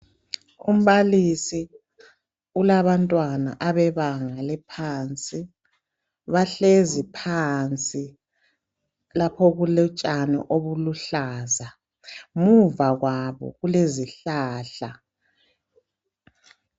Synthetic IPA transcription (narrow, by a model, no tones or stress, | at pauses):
um̩βalisi | ulaβantʼwana̰ʔaβɛβaŋalɛpʰaːnt͡sʼi | βaɬezipʰant͡sʼi | lapʰɔɣulɛt͡ʃʼanɛ̰ʔoβuluɬaːza | muvaɣwaβɔ̰ɣuleziɬaːɬa